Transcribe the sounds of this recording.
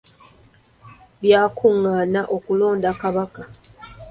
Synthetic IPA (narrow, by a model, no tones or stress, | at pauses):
βjaːkʰuŋːaːnaʔo̞kulo̞ːndakaβaka